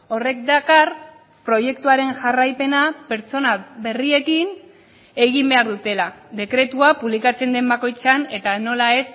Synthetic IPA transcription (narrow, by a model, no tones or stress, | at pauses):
o̞re̞k̚d̪akar | pɾo̞je̞kt̪uaɾe̞nʝarajpe̞nape̞ɾt͡so̞naβe̞rie̞kin | e̞ɣimbe̞aɾðut̪e̞lad̪e̞kɾe̞t̪uapuβlikat͡se̞nd̪e̞mbako̞jt͡seane̞t̪ano̞lae̞s